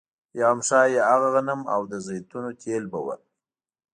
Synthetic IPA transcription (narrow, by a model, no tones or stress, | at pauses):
jɑmʂɑːjeaɣaɣanəma̰wd̪əzəjt̪unot̪ʰelbəwə̰